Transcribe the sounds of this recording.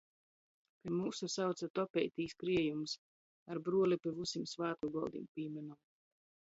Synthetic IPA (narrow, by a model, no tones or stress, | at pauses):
kamuːsusawt̪sat̪ɔpʲɛjt̪iːskɾiɛjums | aɾbɾuɔlipʲivusimsvaːt̪̚kuɡɔlˠd̪ḭmpʲiːmɛnum